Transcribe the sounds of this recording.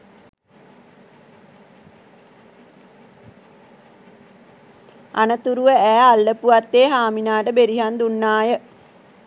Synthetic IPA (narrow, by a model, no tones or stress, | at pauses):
a̰nət̪uɾuʋəæːalːəpuʋat̪ːeːɦaːminaːʈəbeɾiɦand̪unːaːjə